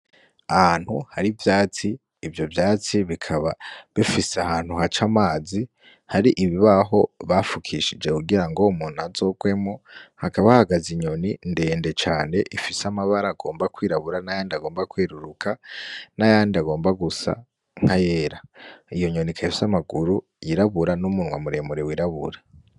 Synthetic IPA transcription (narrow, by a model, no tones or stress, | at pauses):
ahaːn̥huhaɾivjaːt͡siː | vjo̞vjaːt͡siβikʰaβaβifiseahaːn̥huhat͡ʃamaːzi | haɾiʔiβiβaɦo̞βafukʰiʃid͡ʒe̞kuɡiɾaŋɡo̞umuːnhazo̞ːkwe̞mŋohakaβahaɡaziɲo̞ninde̞ːnde̞t͡ʃaːne̞ʔifisamaβaɾaɡo̞ːmbakwiːɾaβuɾanajaːndiaɡo̞ːmbakweːɾuɾukʰanajaːndiaɡo̞ːmbaɡusa̰ | ŋ̥haje̞ːɾaijo̞ɲo̞nikʰaifi̥samaɡuɾu | jiɾaβuɾanumunwa̰muɾemuɾewiɾaβṵɾa